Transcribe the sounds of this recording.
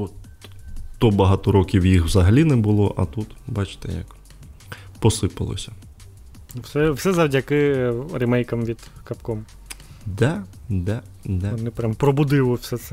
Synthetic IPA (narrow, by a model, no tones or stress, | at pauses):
ɔt̪ | t̪ɔbɐɦɑt̪ɔɾɔkʲiwjixwzɐɦɐlʲinɛbʊlˠɔʔɐ̰t̪ut̪bɑt͡ʃt̪ɛ̰jɐ̰k | pɔsɪpɐ̰lˠɔ̰sʲɐ | wsɛwsɛzɐwdʲɐkɪrɪmɛjkɐmʋʲid̪̥kɐpkɔm | d̪ɛd̪ɛ | d̪ɛnɛpɾʲampɾɔbʊd̪ɪʋˠɔwsɛt̪sɛ